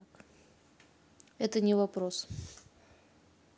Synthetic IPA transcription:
k | ɛt̪ənʲɪvɐpɾos

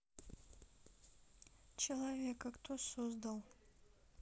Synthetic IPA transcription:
t͡ʃʰelavʲekʰaktʰosozdalˠ

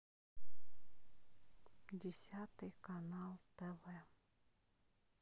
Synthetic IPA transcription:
dʲɪsʲat̪ɨjkɐnalˠt̪ɛvɛ

